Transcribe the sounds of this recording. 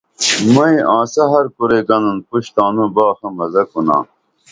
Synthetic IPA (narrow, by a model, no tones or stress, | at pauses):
mɐĩʔãːsɐɦɐɾkuɾeɡɐnɐnpuɕt̪aːnũbaːxɐmɐzɐkunã̰ː